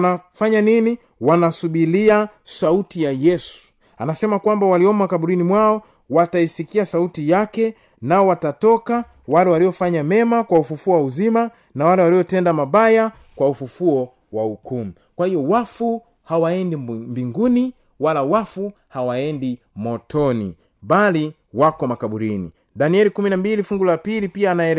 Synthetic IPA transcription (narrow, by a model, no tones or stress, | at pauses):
nafaɲanini | wanasuɓiliasautijajɛsu̥ | anasɛmakwambawaliɔmakaɓuɾinimwaɔ | wataisikiasautijakɛ | naɔwatatɔka | walɛwaliɔfaɲamɛmakwaufufuɔwauzima | nawalɛwaliɔtɛndamaɓaja | kwaufufuɔ | wahukumu | kwahijɔwafu | hawaɛndimbiŋɡuni | walawafu | hawaɛndi | mɔtɔnḭ | bali | wakɔmakaɓuɾinḭ | daniɛlikuminambilifuŋɡulapilipiaːnaɛl